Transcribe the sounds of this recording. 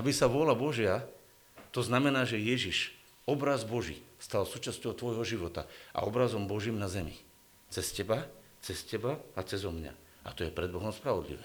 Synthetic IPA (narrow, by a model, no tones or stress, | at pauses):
abisaʋʊɔlabɔʒɪa | t̪ɔznamɛnaːʒɛjɛʒiʃ | ɔbɾazbɔʒḭst̪alsuːt͡ʃascɔʊt̪ʋɔjɦɔʒiʋɔt̪a̰ʔa̰ɔbɾazɔmbɔʒiːmnazɛmḭ | t͡sɛscɛba | t͡sɛscɛbaat͡sɛzɔmɲa̰ | at̪ɔjɛpɾɛd̪̚bɔɦɔmspɾaʋɔd̪lḭʋɛː